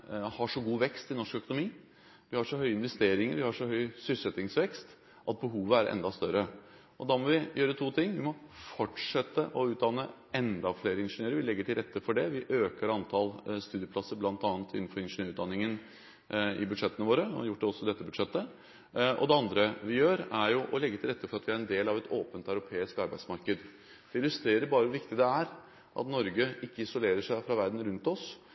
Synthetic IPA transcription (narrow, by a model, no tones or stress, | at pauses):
hɑʂɔɡuːʋɛkst̪ɪnɔʂkœkʊnʊmiː | ʋɪhɑʂɔɦœʏəɪnʋɛst̪eːɾɪŋəɾʋɪhɑʂɔhœʏsʏsɛt̪ːɪŋsʋɛkst̪ | ʔɑt̪̚bəɦuːʋəæɾʔɛ̰nd̪ɑst̪œɾə | ɔd̪ɑmɔʋɪjøːɾət̪ʰuːt̪ʰɪŋːʋɪmɔfɔʈʂɛt̪ːəʔɔʉːt̪̚d̪ɑnːə | ɛnd̪ɑfleːɾəɪnʂənøːɾəɾʋɪlɛɡːəʈʰɪlɾɛt̪ːəfɔɖɛʋɪʔøːkəɾɑnt̪ʰɑːlst̪ʉːd̪ɪəpʰlɑsːəɾblɑnt̪ɑːnət̪ʰɪ̰nːn̩fɔɾɪnʂənøːɾʉːd̪ɑnɪŋən | ɪ̰bʉd̪ʂɛt̪ːənəʋoːɾə̰jʊʈːd̪ɛɔsːɔd̪ɛt̪ːəbʉd̪ʂɛt̪ːə | ʔɔ̰d̪ɛɑnd̪ɾəʋɪjøːɾæɾjʊʔɔlɛɡːət̪ʰɪlɾɛt̪ːəfɔɾɑt̪ʋɪæɾɛnd̪eːlɑʋɛt̪ʰoːpənt̪œʉɾʊpʰeːɪskɑɾbæɪsmɑɾkəd̪ | d̪̥ɛɪlːʉst̪ɾeːɾəɾbɑːɾəʋʊʋɪkt̪ɪd̪ɛæɾ | ʔɑ̰t̪nɔɾɡəɪkːəɪsɔleːɾəʂæɪfɾɑʋæɾd̪n̩ɾʉnt̪ɔs